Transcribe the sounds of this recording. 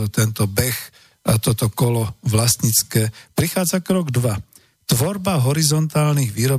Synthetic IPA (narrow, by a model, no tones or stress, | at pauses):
t̪ɛnt̪ɔbɛx | t̪ɔt̪ɔkɔlɔʋlasɲit͡skɛːpɾixaːd͡zakɾɔɡd̪ʋa | t̪ʋɔɾbaɦɔɾizɔnt̪aːlniɣʋiːɾɔ